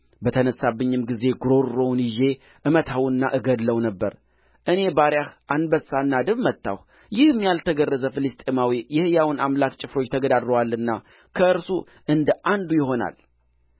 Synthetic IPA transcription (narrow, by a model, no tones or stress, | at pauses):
bət̪ʰənəsːabːɨɲːɪmɡize̞ɡɾo̞ɾːo̞wnjɪʒe̞ | ʔɨmət̪ʰawɨnːa̰ʔɨɡəd̪ləwnəbːəɾ | ʔɨne̞baɾjahʔanbəsanːad̪ɨβmət̪ːa̰h | jɪhɨmːjalt̪ʰəɡərːəzəfɨlɨst̪ʼemawijɛhɨjawnamlakt͡ʃʼɪfɾo̞t͡ʃːt̪ʰəɡəd̪ad̪ɾəwalːɨnːa | kʰəʔɨɾsu | ɨnd̪ʔand̪ujɪɦo̞na̰l